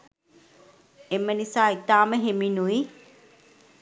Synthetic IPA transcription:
emːənisaːit̪aːməɦeminui

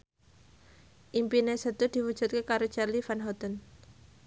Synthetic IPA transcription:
ʔimpinesət̪ud̪̥i̤wud̥ʒ̥ṳt̪̚kekaɾot͡ʃarlifanɦɔt̪ən

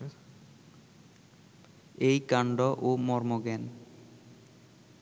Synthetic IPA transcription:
ejkaɳɖoʔomɔɾmoɡɛn

